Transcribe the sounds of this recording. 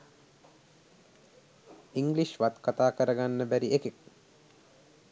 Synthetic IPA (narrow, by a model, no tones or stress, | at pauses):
iŋɡliʃʋat̪kat̪aːkəɾəɡanːəbæɾiekek